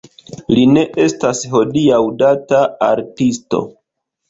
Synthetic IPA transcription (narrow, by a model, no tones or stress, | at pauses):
line̞ʔe̞stasɦo̞diawdataaɾtisto̞̰